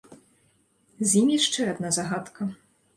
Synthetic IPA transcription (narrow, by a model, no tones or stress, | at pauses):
zʲjimʲjaʂt͡ʂɛad̪̚nazaɣat̪kɐ